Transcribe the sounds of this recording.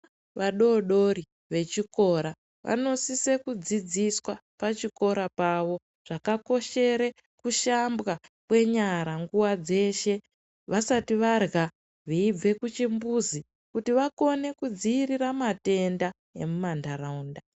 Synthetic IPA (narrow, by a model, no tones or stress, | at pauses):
ʋaɗo̞ɗo̞ɾi | ʋe̞t͡ʃiko̞ɾa | ʋʔa̰no̞sise̞kud͡zid͡ziswa | pat͡ʃiko̞ɾapaʋo̞ | ʐ̥akako̞ʃe̞ɾe̞ | kuʃambɣakwe̞ɲaɾaŋɡuwad͡ze̞ʃe̞ | ʋasatiʋarɣa | ʋiib͡ve̞kut͡ʃimbuzi | kutiʋako̞ne̞kud͡ziːriɾamate̞nda | e̞mumandaɾaunda